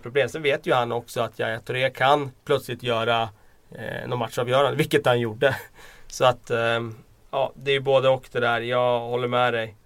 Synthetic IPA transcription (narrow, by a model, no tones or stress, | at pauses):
pʰɾʊbleːmsɛnveːt̪jɵhanːɔksɔat̪ʰja̰jat̪ʰʊɾeːkʰanpʰlœt̪slɪt̪jœːɾa | nɔːnmat̪ʂɑːvjœːɾand̪əvɪlkːət̪hanjuɖəsɔat̪ː | ɑ̰ːd̪ɛæjɵboːd̪əɔkd̪ɛd̪æːɾjɑːɡhɔlːəɾmɛd̪ɛj